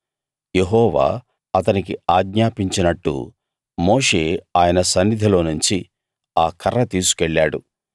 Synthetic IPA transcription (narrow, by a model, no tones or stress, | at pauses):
je̞ɦɔːʋa̰ː | ɐt̪ɐnik̬iaːɡɲaːpiɲt͡ʃinɐʈːṵ | moːʂe̞ːaːjɐnɐsɐnːid̪ʱilo̞ːnuɲt͡ʃi | aːkʰɐɾːɐt̪iːsu̥kɛɭːaːɽu